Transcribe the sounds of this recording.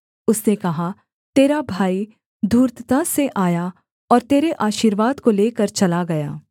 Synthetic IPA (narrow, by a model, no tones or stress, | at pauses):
ʊsnekɐɦa | t̪eːɾabʱaːi | d̪ʱuːɾt̪t̪ãseʔaːja | ɔːɾt̪eːɾeʔaːʃiːɾʋaːd̪koleːkɐɾt͡ʃɐlaɡɐja̰ː